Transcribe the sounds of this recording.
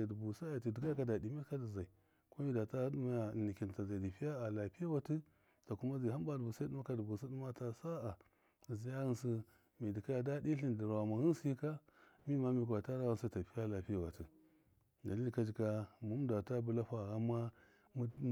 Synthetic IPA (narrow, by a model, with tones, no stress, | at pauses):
dbu˨sa˦a˨ti˨di˨ka˦ka˨da˨di˨mi˦ka˦di˨za˨i˨ | ko˦mi˦da˨ta˦du˦ma˦˨ni˨ki˨n˨ta˨za˨i˨di˨pi˦ja˦a˨la˨pi˦ja˦wa˨ti˦ | ta˨ku˦ma˦zi˨ɦa˦mba˦dbu˨sa˦u˦ma˦ka˦˨du˨bu˨si˦du˦ma˦ta˨sa˦a˨ | zi˨˦ja˦ɣi˦nsi˦ | mi˨di˨ka˦˨da˦di˦ɬi˦n˨di˨ɾa˨ma˨hi˦n˦si˦ka˦ | mi˦ma˦mi˨ka˨ta˦ɾa˦ɣu˦nsi˦ta˨pi˦ja˦la˨pi˦a˦˨wa˨ti˨ | da˨li˦lka˦d͡ʒi˨ka˦mu˦m˦da˨ta˦bu˨˦la˦ɸa˨ɣa˦ma˦ | m˦